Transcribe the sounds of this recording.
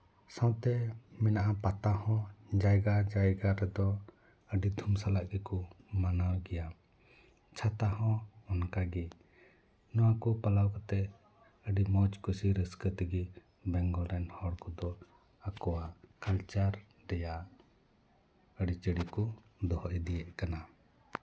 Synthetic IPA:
sãwt̪ɛmɛnaʔapat̪ahɔ̃d͡ʒajɡad͡ʒajɡaɾɛd̪ɔ | əɖid̪ʱumsalaʔɡɛkumanawɡɛja | t͡ʃʰat̪aɦɔ̃ːnkaɡi | nɔwakupalawkɔt̪ɛ | əɖimɔt͡ʃkusiɾəskət̪əɡi | bɛŋɡɔɾɛnhɔɽkɔd̪ɔ | akɔwaʔkalt͡ʃaɾ | ɾɛja | əɖit͡ʃəɽikud̪ɔhɔʔɛd̪ijɛʔ̚kana

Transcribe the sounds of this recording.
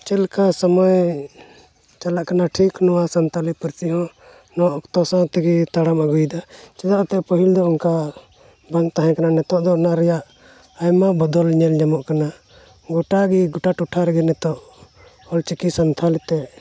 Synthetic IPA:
t͡ʃɛlkasəmɔj | t͡ʃalaʔkanaʈʰiknɔwasənt̪ʰalipəɾt̪iɦɔ̃ | nɔʔkt̪ɔsãt̪ɛɡit̪aɽamaɡujd̪at͡ʃɛd̪aʔɔt̪ɛpəɦild̪ɔunka | baŋt̪aɦɛ̃kananɛt̪ɔʔd̪ɔnaɾɛjaʔ | ajmabɔd̪ɔlɲɛlɲamɔʔkana | ɡɔʈaɡiɡɔʈaʈuʈʰaɾɛɡɛnɛt̪ɔʔ | ɔlt͡ʃikisənt̪ʰalit̪ɛ

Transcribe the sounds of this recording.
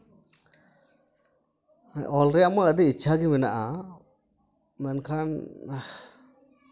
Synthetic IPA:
ʔɔlɾɛamaɾəɖiit͡ʃʰaɡimɛnaʔa | mɛnkʰan

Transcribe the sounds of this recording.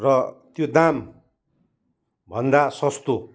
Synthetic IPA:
rʌt̪jod̪am | bʱʌnd̪asʌst̪o

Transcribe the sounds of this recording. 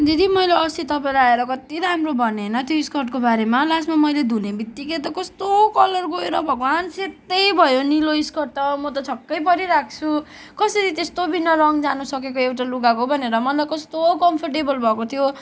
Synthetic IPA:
d͡zed̪imʌjleʌsit̪ʌpaĩlaaeɾʌkʌt̪iɾamrobʱʌnenʌt̪joiskʌrʈkobaɾemalasmamʌjled̪ʱunebit̪ːiket̪̬ʌkʌst̪okʌlʌrɡoeɾʌbʱʌkoanset̪ːʌjbʱʌjoniloiskʌr̚t̪ʌmʌt̪ʌt͡sʰʌkːʌjpʌɾiɾak̚ʰt͡sʰu | kʌsʌɾit̪est̪obʱinːʌɾʌŋd͡zanusʌk̬ek̬oewʈaluɡakobʱʌneɾʌmʌlakʌst̪okʌmpʰʌrʈebʌlbʱʌkot̪ʰjo

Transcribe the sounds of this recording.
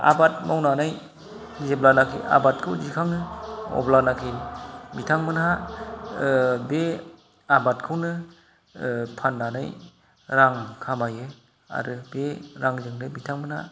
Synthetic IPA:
a̰bat̚mawnanaj | zeblanakʰḭʔa̰bat̚kʰɯwd͡ʒikʰaŋnɯɔ̰blanakʰinmitʰaŋmɯnha | be | abatkʰɯwnɯ | pʰanːanaj | ɾaŋkʰamajɯ | a̰ɾɯbeɾaŋzɯŋnɯmitʰaŋmɯnha̰

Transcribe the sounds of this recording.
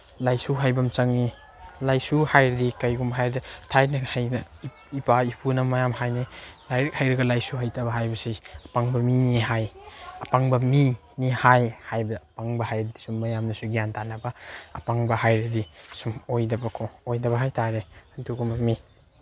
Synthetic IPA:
lajsuɦajbɐmt͡ʃɐŋni | lajsuhajɾdikajɡumɦajɾditʰajnihajnɐ | ipaipʰunɐmɐjamhajnilajɾɐkhajɾɐɡɐlajsuɦajtabɐɦajbɐsijɐpaŋbɐminiɦajɐpaŋbɐmi | nihajhajbɐɐpaŋbɐhajɾidisumːɐjamnɐsuɡijantʰanɐbɐɐ̰paŋbɐhajɾidisumojdɐbɐkʰoojdɐbɐɦajtʰaɾehɐntʰuɡumbɐmi

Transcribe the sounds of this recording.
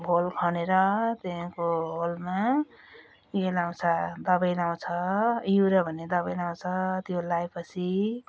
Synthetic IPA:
bʱolkʰʌneɾʌt̪ẽkoɦolma | elaw̃t͡sʰʌd̪ʌbʌjlaw̃t͡sʰʌjuɾʌbʱʌned̪ʌbʌjlaw̃t͡sʰʌt̪jolajpʌt͡sʰi

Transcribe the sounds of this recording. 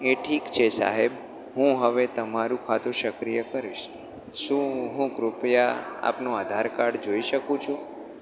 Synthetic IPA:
eʈʰikt͡ʃʰesa̰ɦeb | ɦũɦəʋet̪əmaɾũkʰat̪uʃəkɾijəkəɾiʃ | ʃũɦũkɾupjaa̰pnoad̪ʱaɾkaɽd͡ʒoiʃəkũt͡ʃʰũ

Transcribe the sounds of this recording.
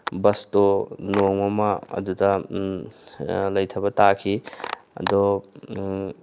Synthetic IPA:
bɐstɔnoŋɐmɐɐ̰dudɐ | lɐjtʰɐbɐtakʰiɐ̰dɔ

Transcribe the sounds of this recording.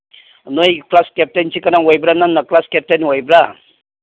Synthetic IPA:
nojklaskep̚tent͡ʃʰikanaŋwɔjbɾananːaklaskep̚teniwɔjbɾa

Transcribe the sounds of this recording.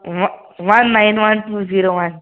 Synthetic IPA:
w | wanːãjnwantuziɾowan

